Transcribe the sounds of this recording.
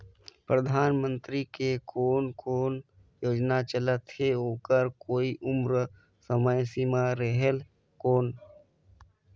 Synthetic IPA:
pɾəd̪ʱaːnmə̃nt̪ɾikekʰoːnkoːn | joːd͡ʒnat͡ʃələt̪eɦoːkəɾkoːiʔʊmɾə | səməjsimaɾəɦel | koːn

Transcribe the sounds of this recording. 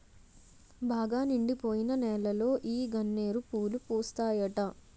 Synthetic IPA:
baːɡaːniɳɖipo̞ːjinɐnɛːlɐlo̞ːʔiːɡɐnːe̞ːɾupuːlupuːst̪aːjɐʈɐ

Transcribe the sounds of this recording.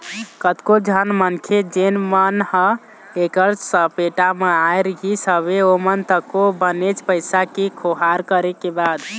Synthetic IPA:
kət̪kod͡ʒʱənmənkʰed͡ʒenmənhə̃ | ekəɾsəpeʈameajɾɡisəβeomənt̪əkobənet͡ʃʰpəjsakekʰoɦaɾkəɾekebad̪

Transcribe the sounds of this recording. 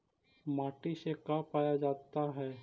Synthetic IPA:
maːʈisekapaːjad͡ʒaːt̪aɦɛː

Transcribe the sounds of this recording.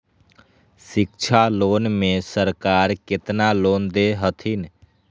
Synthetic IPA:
ʃɪk̚t͡ʃʰaloːnmẽsəɾkaːɾkɪt̪naloːnd̪eɦət̪ʰin

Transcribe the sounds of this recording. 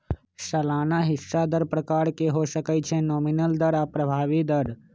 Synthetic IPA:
səlaːnaɦɪsːad̪əɾpɾəkaːɾkeɦoʃəkət͡ʃʰẽnoːmɪnəld̪əɾapɾəbʱaːʋid̪əɾ

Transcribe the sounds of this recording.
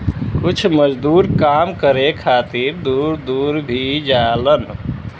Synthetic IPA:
kut͡ʃʰməd͡ʒd̪uɾkamkəɾekʰat̪iɾd̪uɾd̪uɾbʱid͡ʒalən

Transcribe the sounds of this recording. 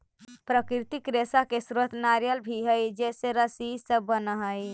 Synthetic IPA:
pɾəkɾit̪ikɾesakesɾət̪ʰnaɾjəlbʱiɦəjd͡ʒeseɾəsisəbːənəɦəj

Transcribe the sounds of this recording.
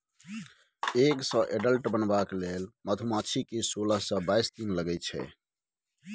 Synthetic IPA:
eksə̃ʔeɖəlʈbənbaklelmət̪ʰumat͡ʃʰikesolasə̃bajsd̪inləɡɛt͡ʃʰɛ̰

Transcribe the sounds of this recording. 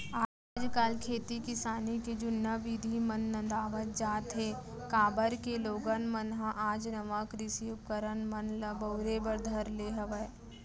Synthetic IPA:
aː | d͡ʒkaːlkʰeːt̪ikɪsaːniked͡ʒʊnːaʋiːd̪ʱimənːə̃nd̪aːʋət̪̚d͡ʒaːt̪ɦe | kaːbəɾkeloːɡənmənɦãʔaːd͡ʒnɐʋakɾɪsiʊp̚kəɾənmənləbɐːɾebəɾd̪ʱɐɾleːɦɐʋə

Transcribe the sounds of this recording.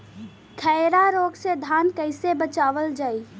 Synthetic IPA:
kʰəɾaɾoːɡsed̪ʱaːnkəɪsebət͡ʃaːʋəld͡ʒaːi

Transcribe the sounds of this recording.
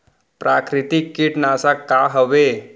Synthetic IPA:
pɾakɾɪt̪ikːiʈnaːsakaɦəʋe

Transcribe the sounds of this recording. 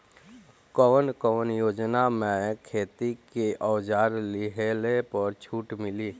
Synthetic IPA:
kɔːnkɔːnjoːd͡ʒnamẽkʰeːt̪ikeʔɔwd͡ʒaːɾlɪɦelepəɾt͡ʃʰuːʈmɪliː

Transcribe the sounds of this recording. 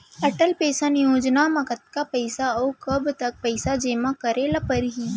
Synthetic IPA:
ɐʈəlpeːsanjoːd͡ʒnamɐkət̪̚kapɐɪsaɔːkɐbt̪ɐk̚pɐɪsad͡ʒeːmakɐɾelɐpəɾɦiː

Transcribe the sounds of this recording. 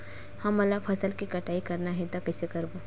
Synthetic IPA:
hɐmɐlafʰɐsəlkikɐʈaːikɐɾnaɦɛ̃t̪akɐsekɐɾbo

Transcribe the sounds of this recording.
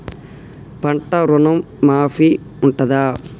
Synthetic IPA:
pɐɳʈɐɾunɐmːaːfi | uɳʈɐd̪aː

